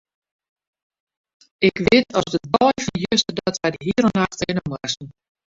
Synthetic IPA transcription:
ɪkʋɪtɔsdət̚bɔjfɔnjøstədɔtɛdəɦiəɾənaxtɪnomasn̩

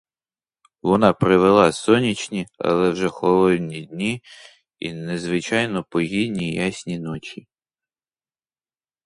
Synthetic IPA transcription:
ʋɔnɑpɾɪʋelˠɑsɔnʲit͡ʃnʲiɐ̰lˠɛwʒɛxɔlˠɔd̪ʲnʲid̪ʲnʲi | ḭnezʋɪt͡ʃɑjnɔpɔɦʲidnʲijasʲnʲinɔt͡ʃi

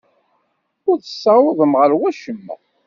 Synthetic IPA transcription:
ʊɾθə̥sːɑwəðˤəmʁəɾwæʃəmːæ̰

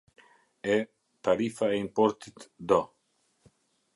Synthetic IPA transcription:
ɛ | t̪aɾifaɛimpɔɾt̪it̪d̪ɔ

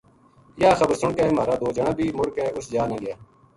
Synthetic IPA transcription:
jaːxəbəɾsʊɳkeːmaːɾaːd̪oːd͡ʒəɳãːbʱiːmʊɽkeːʊsd͡ʒaːnẽːɡɪjaː

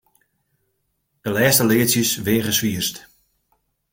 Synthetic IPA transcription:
d̥əlɛːstəleəsjəsʋɪəχəsʋiərst

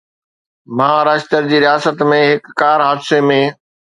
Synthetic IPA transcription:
mãːɾaːd͡ʑt̪əɾd͡ʑiːɾijaːsət̪mẽɦɪkːaːɾɦaːd̪semẽ

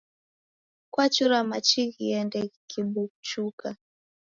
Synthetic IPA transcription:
kwat͡ʃuɾamat͡ʃiɣiɛndɛkiɓukt͡ʃuka

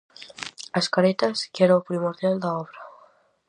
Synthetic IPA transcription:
askaɾet̪askɛɾaopɾimoɾðjald̪aɔβɾɐ

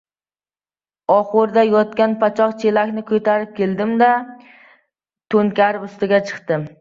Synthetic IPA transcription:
ɒχʊɾd̪ajɒt̪̚kʲanpʰat͡ʃʰɒqt͡ʃʰelakʲnɪkʰɵt̪ʰaɾɪp̚kʲʰe̞ld̪ɪmd̪a | t̪ʰoŋkʲaɾʊst̪ɪɡʲat͡ʃʰɨ̥qt̪ɪm

